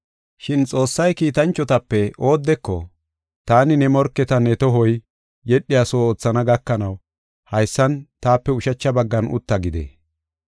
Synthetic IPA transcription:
ʃɪnt͡sʼo̞ːsːɐjkiːt̪ɐnt͡ʃːɔt̪ɐpːɛʔo̞ːd̪ːɛkːɔ | t̪aːnɪnɛmɔɾkːɛt̪ɐnɛt̪ɔɦɔj | jɛɗːɪjasoːoːt͡sːɐnɐɡɐkːɐnɐw | hɐjsːɐnt̪aːpːɛʊʃɐt͡ʃːɐbɐɡːɐnʊ̰t̪ːɐɡɪd̪ḛ

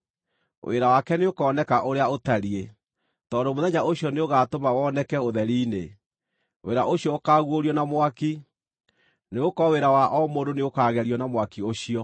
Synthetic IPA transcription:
wʔḛɾawakɛneokɔːnɛkaʔoɾeaotaɾie | tɔːndomoðɛɲaoɕiɔneoɣaːtomawɔnɛkɛoðɛɾiːne | tweɾaʔoɕjɔokaːɣwoɾiɔnamwaki | neokɔweɾawaʔɔmodoneokaːɣɛɾiɔnamwakioɕiɔ

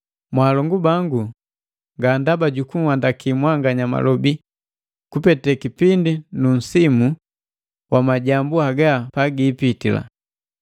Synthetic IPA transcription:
mwaːlɔŋɡubaŋɡu | ŋɡandabaɟukuŋwandakimwaŋɡaɲama̰lɔbi | kupɛtɛkipindinun̩simu | wʔamaɟambuaɡapaɡiːpitila̰

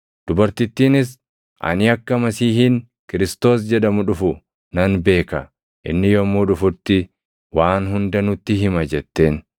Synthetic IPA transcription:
d̪̥ʊbɐɾt̪ɪt̪ːiːnɪs̬ | ʔɐ̰nɪɐkːɐmɐsiːhɪn | kɪɾɪst̪o̞ːs̬d͡ʒɛᶑɐmʊᶑʊfʊ | nɐnbe̞ːkɐ | ʔɪ̰nːɪjɔmːuːᶑʊfʊɾt̪ːɪ | waːnɦʊnd̪ɐnʊt̪ːɪɦɪmɐd͡ʒɛt̪ːe̞ːn

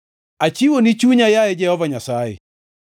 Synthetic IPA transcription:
at͡ʃiwonɪt͡ʃuɲajaɛd͡ʒɛhɔvaɲasaḛ

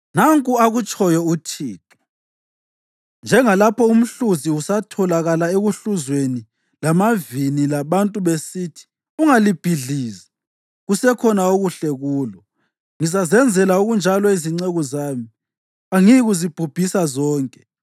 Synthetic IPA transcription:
naŋkʼuaɣut͡ʃʼɔjɔutʰiːtʰɔ̥ | nd͡ʒʱɛŋalapʰɔum̩ɬuziusatʰɔlaɣalaeɣuɬuzweni | lamavinilaβantʼuβesitʰi̥ | uŋalib̥ʱiɮiːza | ɣusɛkʰɔnaoɣuɬɛɣuːlɔ | ŋizazɛnd͡zʱɛlauɣund͡ʒʱalɔiziŋ͡ǀeɣɔzaːmi | aŋiɣuzib̥ʱub̥ʱisazɔːŋkʼɛ

